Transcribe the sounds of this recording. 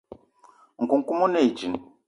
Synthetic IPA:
ŋ̩˨ku˨ŋ̩˨ku˦mo˦ne˦˨i˨d͡ʒi˨n˨

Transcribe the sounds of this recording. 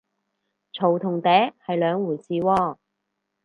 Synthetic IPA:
t͡ʃʰo˨˩wt̪ʰʊ˨˩ŋt̪ɛː˨˥hɐ˨jlœː˨˧ŋwuː˨˩jsiː˨wɔː˧

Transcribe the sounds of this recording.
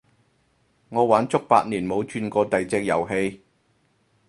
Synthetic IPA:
ŋɔː˨˧waː˨˥nt͡sʊ˥k̚pa̰ː˧t̚niː˨˩nmo˨˧wt͡ʃyː˧nkɔː˧t̪ɐ˨jt͡sɛː˧k̚jɐ˨˩wɦe˧j

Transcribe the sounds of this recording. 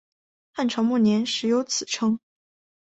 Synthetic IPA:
xa˥˩nʈ͡ʂʰɑ˧˥ŋmu˥˩njɛ˧˥nʂɻ̩˨˥jo˧˥ʊt͡sʰɹ̩˨˩ʈ͡ʂʰɤ˥ŋ

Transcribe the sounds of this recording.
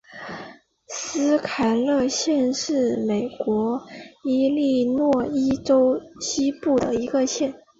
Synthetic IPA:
sɹ̩˥kʰa˨˩ɪlɤ˥˧ɕjɛ˥˧nʂɻ̩˥˩me˨˩ɪkwɔ˧˥i˥li˥˧nwɔ˥˩i˥ʈ͡ʂo˥ʊɕi˥pu˥˩d̪ə̰˩i˧˥ɡə˧ɕjɛ˥˩n

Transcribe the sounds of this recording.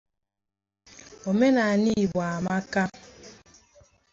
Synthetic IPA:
o˨me˦na˨a˨ni˦˨bwa˨ma˦ka˦

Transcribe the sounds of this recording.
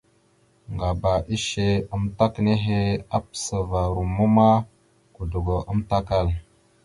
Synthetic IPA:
ŋɡa˨ba˨ʔi˦ʃe˦ə˦mta˦kne˦ɦe˦a˦psə˨va˨ɾu˨mu˦ma˦ | ku˨du˨ɡo˨ʔə˦mta˦ka˦˨l

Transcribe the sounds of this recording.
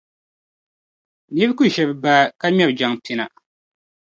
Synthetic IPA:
ni˦bku˦ʃɛ˨bba˦ka˦ɲɛ˦bd͡ʒa˨ŋpi˨na˨

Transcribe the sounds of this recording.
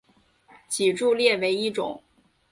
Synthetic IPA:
t͡ɕi˨˩ʈ͡ʂu˥˧ljɛ˥˩we˧˥ɪi˥˩ʈ͡ʂʊ̰˨˩˦ŋ

